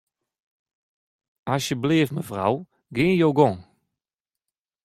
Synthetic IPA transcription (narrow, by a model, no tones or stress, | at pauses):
asjəbleːfməvra̰w | ɡɪːnjowɡɔŋ